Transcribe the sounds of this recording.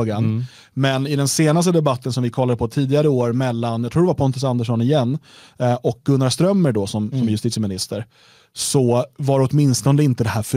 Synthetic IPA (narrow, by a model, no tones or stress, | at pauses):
ɡan | mɛnɪd̪ɛnseːnast̪əd̪ɛbat̪ːənsɔmvɪkʰɔlːad̪əpʰɔt̪ʰiːd̪ɪɡaɾəoːɾmɛlːanjɑt̪ʰɾuːɖɛvaɾpʰɔnt̪əs̬and̪əʂɔnɪjɛnː | ɔk̚ɡ̥ɵnːast̪ɾœmːəɖɔsɔmsɔmjɵst̪iːt̪smɪnɪst̪əɾ | sɔvaɾɔt̪mɪnst̪ɔnd̪əɪnt̪əd̪ɛhæːɾfœ